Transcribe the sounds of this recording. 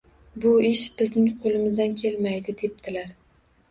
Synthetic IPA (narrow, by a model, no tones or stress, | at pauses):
bʊɪʃb̥ɪznɪŋqʰolˠɪmɪzd̪ankʲʰe̞lmajd̪ɪd̪e̞p̚d̪ʰɪlaɾ